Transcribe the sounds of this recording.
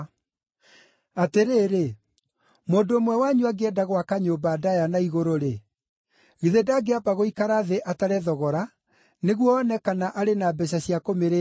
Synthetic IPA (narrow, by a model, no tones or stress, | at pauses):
ateɾeːɾe | moːndoːmwɛwaɲuaɡeɛdaɣwakaɲobaːdajanaiɣoɾoɾe | ɣiðedaɡeapaɣoikaɾaðeʔataɾɛðɔɣɔɾa | neɣwɔːnɛkanaʔaɾenabɛɕ̬aɕiakomeɾe